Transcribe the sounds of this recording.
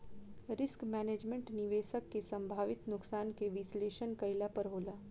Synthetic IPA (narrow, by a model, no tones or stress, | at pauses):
ɾɪskmɛːneːd͡ʒmẽɳʈnɪʋeːʃəkːesɐ̃mbʱaːʋɪt̪nʊksaːnkeʋɪsleːʃənkɐɪlapɐɾɦoːlaː